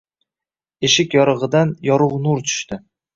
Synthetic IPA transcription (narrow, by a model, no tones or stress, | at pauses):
eʃɪkʲjɒɾɨʁɨd̪anjɒɾʊʁnʊɾt͡ʃʰʊ̥ʃt̪ʰɪ